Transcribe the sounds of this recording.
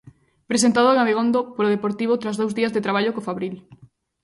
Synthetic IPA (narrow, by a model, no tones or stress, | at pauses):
pɾes̬ent̪aðoeŋaβeɣond̪opoɾoð̞epoɾt̪iβ̞ot̪ɾazðowzðiazðet̪ɾaβ̞aʎokofaβɾil